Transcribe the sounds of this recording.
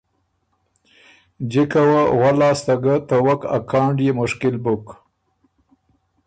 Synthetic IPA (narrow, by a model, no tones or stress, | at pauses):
d͡ʒikawaɣwalɑːst̪aɡət̪əwaka̰kʰɑːɳɖjemʊʃkɪlbʊk